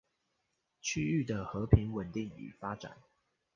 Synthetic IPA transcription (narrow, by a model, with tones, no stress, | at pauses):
t͡ɕʰy˥˧y˥˨d̪ə˩xɤ˨˦pʰi˨˦ŋwə˨˩nt̪i˥˩ŋy̰˨˩fa˥ʈ͡ʂa̰˨˩˦n